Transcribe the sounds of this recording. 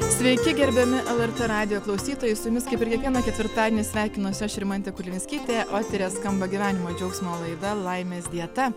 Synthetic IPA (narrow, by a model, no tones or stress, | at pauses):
sʲʋʲɛɪkʲɪɡʲɛɾʲbʲɛmʲɪʔɛlˠɛɾt̪ɛɾɑːd̪ʲɪjoːklˠɐʊsʲiːt̪oːjɛɪsʊjʊmʲɪskɐɪpʲɪɾkʲiɛkʋʲiɛnɐkʲɛt̪ʋʲɪɾt̪ɑːd̪ʲeːnʲɪsʲʋʲæːˑɪkʲɪnosʲʃʲɾʲɪmɐnt̪ʲɛkʊlʲʋʲɪnʲsʲkʲiːt̪ʲeʔoːt̪ʲɛɾʲeːskɐmbɐɡʲɪʋʲæːnʲɪmoːd͡ʒʲɛʊksʲmoːlˠɐɪd̪ɐlˠɐɪmʲeːsd̪ʲiɛt̪ɐ